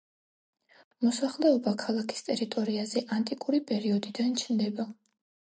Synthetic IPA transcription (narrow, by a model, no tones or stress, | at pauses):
mɔsaχlɛɔbakʰalˠakʰi̥st̪ʼɛɾit̪ʼɔɾiazɛʔant̪ʼikʼuɾipʼɛɾiɔd̪id̪ant͡ʃʰnd̪ɛba